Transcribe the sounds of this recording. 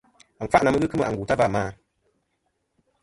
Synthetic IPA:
ŋ̩˨k͡pa˦ʔna˨mɨ˦ɡɨ˦kɨ˦mɨ˦˨a̰˨ŋ˨ɡuː˨ta˦va˦˨maː˦˨

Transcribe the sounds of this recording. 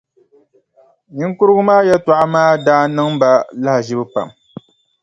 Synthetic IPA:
ɲɪ˦ŋ˦kʊ˦ɾɨ˦ɡʊ˦maː˦jɛ˦ta˨ʔa˦maː˦daː˦nɨ˦ŋba˦la˦hʒɪ˦bɨ˦pa̰˨m

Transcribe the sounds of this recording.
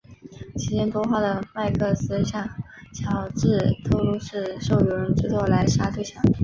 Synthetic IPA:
t͡ɕʰi˧˥t͡ɕjɛ˥nt̪wɔ˥xwa˥˩d̪ə˩ma˥˧ɪkʰɤ˥˩sɹ̩˥ɕjɑ˥˩ŋ | t͡ɕʰjɑ˧˥ʊʈ͡ʂɻ̩˥˩t̪ʰo˥ʊlu˥ʂɻ̩˥˧ʂo˥˩ʊjo˧˩˥ɻə˧˥nt͡s̩˥˧t͡swɔ˥˩la˧˥ɪʂa˥t̪ʰwe˥˩ɪɕjɑ˥˩ŋ

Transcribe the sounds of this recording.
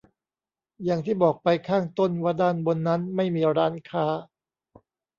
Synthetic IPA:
ja˨˩ŋt̪ʰiː˥˩bɔː˨˩k̚pa˧jkʰaː˥˩ŋt̪o˥˩nwaː˥˩daː˥˩nbo˧nːa˦˥nma˥˩jmiː˧ɾaː˦˥nkʰaː˦˥

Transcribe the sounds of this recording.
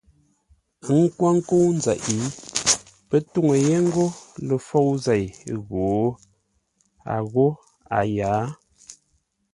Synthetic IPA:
ŋ˦kwa˦ŋ̩˦ko˦wn̩˦za˨ʔi˨˦ | pə˦tu˦˨ŋə˨je˦ŋ˦ɡo˦lə˨fo˦˨wze˨jɣo˨˦ | a̰˨ɣo˦ | a˨jaː˨˦

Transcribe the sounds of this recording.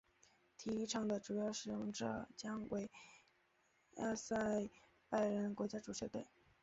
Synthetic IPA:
t̪ʰi˧˥i˥ʈ͡ʂʰɑ˥˩ŋd̪ə˨ʈ͡ʂu˨˩jɑ˥˩ʊʂɻ̩˨˩jʊ˥˩ŋʈ͡ʂɤ̰˨˩t͡ɕjɑ˥ŋwe˧˥ɪ | a̰˥sa˥˩ɪ | pa˥˩ɪɻə˧˥nkwɔ˧˥t͡ɕja˥ʈ͡ʂu˨˩ɕɛ˧˥t̪we˥˩ɪ

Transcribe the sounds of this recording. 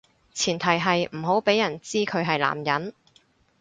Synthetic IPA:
t͡sʰiː˨˩nt̪ʰɐ˨˩jɦɐ˨jm̩˨˩ɦo˨˥wpe˨˥jːɐ˨˩nt͡siː˥kʰɵ˨˧ɥɦɐ˨jla̰ː˨˩mjɐ˨˥n

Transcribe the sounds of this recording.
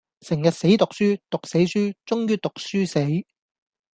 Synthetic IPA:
sɪ˨˩ŋjɐ˨t̚se˨˥jt̪ʊ˨k̚syː˥t̪ʊ˨k̚se˨˥jsyː˥t͡sʊ˥ŋjyː˥t̪ʊ˨k̚syː˥se˨˥j

